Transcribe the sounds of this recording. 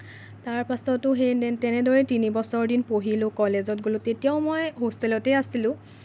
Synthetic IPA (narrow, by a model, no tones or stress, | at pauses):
taɹpasɔtʊxetɛnɛdoɹɛtinibɔsɔɹdinpoɦilʊkɔlezɔtɡolʊtetijaʊmɔjɦostɛlɔtɛasilʊ̃